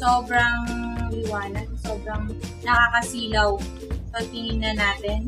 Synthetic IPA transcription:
soːbɾɐŋlɪwaːnɐd̪̚soːbɾɐŋnɐkaːkɐsiːlɐw | pɐɡ̚p̪ɪninɐnaːt̪ɛn

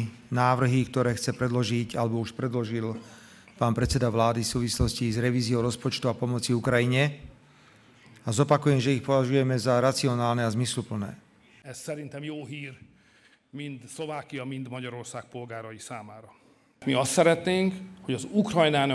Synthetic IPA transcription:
naːʋr̩ɦikt̪ɔɾɛːxt͡sɛpɾɛd̪lɔʒicalɛbɔuʃpɾɛd̪lɔʒil | paːnpɾɛt̪t͡sɛd̪aʋlaːd̪ifsuːʋislɔscizɾɛʋiːziɔʊɾɔspɔt͡ʃt̪uapɔmɔt͡siukɾajiɲɛ | azɔpakujɛmʒɛixpɔʋaʒujɛmɛzaɾat͡siɔnaːlnɛazmislupl̩nɛ̰ː | ɛssɛɾint̪ɛmjoːɦiːr | mind̪sloʋaːkijɒmind̪mɔɟɒɾorsaːk̚polɡaːɾɔjisaːmaːɾɔ | miɔst̪sɛɾɛt̪neːŋkhoɟɔzukɾɔjnaːn

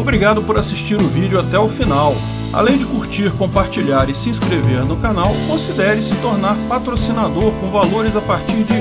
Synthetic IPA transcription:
obɾiɡad̪ʊpoɾasiʃt͡ʃiɾʊvid͡ʒʊat̪ɛʊfinaw | a̰lẽj̃d͡ʒɪkuɾt͡ʃiɾkõpaɾt͡ʃiʎaɾɪsɪĩskɾeveɾnʊkanawkõsid̪ɛɾɪsɪt̪oɾnaɾpat̪ɾosinad̪oɾkõvaloɾɪzapaɾt͡ʃiɾd͡ʒɪ

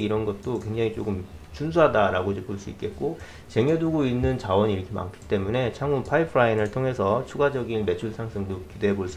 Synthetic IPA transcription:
iɾʌnɡʌt̚t͈okwe̞ŋd͡ʑaŋit͡ɕ͈oɡɯm | t͡ɕunsʰuɦadaɾaɡod͡ʑep͈oɭs͈uik͈e̞t̚k͈o | t͡ɕe̞ŋeduɡoinːɯnt͡ɕawʌniɾʌkʰema̰ŋkʰi̥t͈e̞mune̞t͡ɕʰaŋunpʰaipʰɯɾainɯɭtʰoŋɦe̞sʰʌt͡ɕʰuɡad͡ʑʌɡinme̞t͡ɕʰuɭsʰaŋs͈ʰɯŋdokide̞ɦeboɭs͈

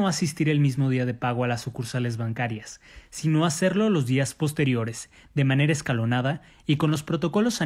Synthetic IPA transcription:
oasist̪iɾe̞lmizmo̞ðiaðe̞paɣ̞o̞alasukuɾsale̞zβaŋkaɾjasːino̞ase̞ɾlo̞lo̞zðiaspo̞st̪e̞ɾjo̞ɾe̞z̥ | ðe̞mãne̞ɾaeskalo̞naða | iko̞nlo̞spɾo̞t̪o̞ko̞lo̞sa

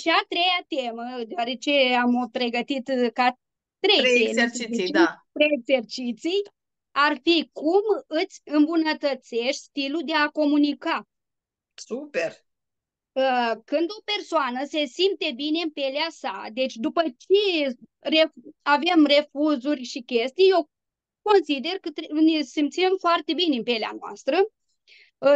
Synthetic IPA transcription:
ʃiat̪ɾe̞jat̪e̞məd̪eoaɾe̞t͡ʃe̞ampɾe̞ɡət̪it̪ka | t̪ɾejeieapɾeekze̞rt͡ʃit̪sij | arfikumɨt̪sʲɨmbunət̪ət̪se̞ʃt̪ʲst̪ilud̪e̞ako̞munika | super | əkɨnd̪o̞pe̞rsoanəse̞simt̪e̞bine̞ɨnpeleasad̪e̞t͡ʃʲd̪upət͡ʃe̞ | reave̞mre̞fuzurʲʃikʲe̞st̪ijje̞w | ko̞nsid̪e̞rkət̪nesimt̪simfoart̪e̞bineɨmpe̞lea̰noa̰st̪ɾə

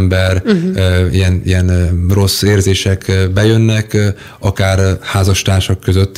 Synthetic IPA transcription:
mbɛr | ḭjɛnḭjɛnro̞sːeːrzeːʃɛkbɛjønːɛk | ɒkaːrhaːzɒʃt̪aːrʃɒkːøzøt̪ː

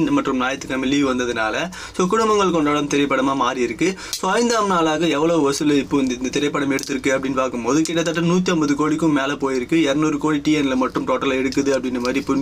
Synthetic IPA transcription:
nmɐʈrɯmnaːjɐt̪ːɯkːɐmɪlːiʋɐnd̪ɐðɯnaːlɐ | soːkʊɽʊmɐŋɡɐɭkɔɳɖɐːɭɐmt̪ɪɾɐɪpːɐɽɐmaːmaːɾiɪɾɯkːɯsoːɐɪnd̪aːmnaːlaːɣɐɛʋːɐɭɐʋɯʋɐsɯlɐɪpːoːɪnd̪ɐɪnd̪ɐt̪ɪɾɐɪpːɐɽɐmɛɽɯt̪ːɯɾɯkːɯɐpːɐɽɪnːpaːkɯmpoːðɯkɪʈːɐt̪̬ːɐʈːɐnuːt̪̬ːiɐmbɐðɯkoːɽɪkːɯ̃meːlɐpoːjɪɾɯkːɯɛɾɐnuːɾɯkoːɻiʈijɛnɪlɐmɐʈːɯmʈoːʈːɐlɐɛɽɯkːɐðɯɐpːɐɽɪnːɐmaːd̪ɾipːʊ

